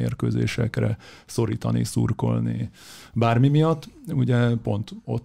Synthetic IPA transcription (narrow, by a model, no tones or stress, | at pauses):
ḛːrkøːzeːʃɛkrɛ | so̞ɾiːt̪ɒnisṵrko̞lni | baːrmimijɒt̪ːuɟɛpo̞nt̪ot̪